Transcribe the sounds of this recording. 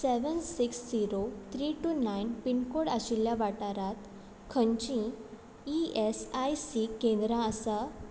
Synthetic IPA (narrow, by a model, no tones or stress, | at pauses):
seʋənsiksd͡ziɾot̪ʰɾiʈunajnpinkoɽaɕiljaʋaʈaɾat̪ | kʰəɲt͡ɕĩ | iesajsikẽnd̪ɾãəsa